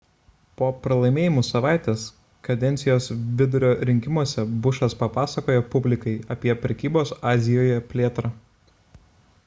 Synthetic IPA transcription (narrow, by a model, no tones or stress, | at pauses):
poːpɾɐlˠɐɪmʲeːjɪmusɐʋɑˑɪt̪ʲeːs | kɐd̪ʲɛnt̪sʲɪjoːsʋʲɪd̪ʊɾʲoːɾʲɪŋʲkʲɪmuɔsʲɛbʊʃɐspɐpɑːsɐkoːjɛpʊbʲlʲɪkɐɪɐpʲiɛpʲɾʲɛkʲiːboːsɑːzʲɪjoːjɛpʲlʲeːt̪ɾɑ